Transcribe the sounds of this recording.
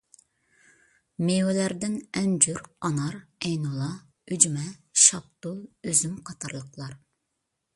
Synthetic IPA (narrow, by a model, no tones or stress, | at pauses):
mewɛlæɾd̪ɪnɛnd͡ʒyɾɑnɑɾɛjnulˠɑ | yd͡ʒmɛʃɑp̚t̪ulˠøzymqʰɑt̪ʰɑɾlˠəqlˠɑɾ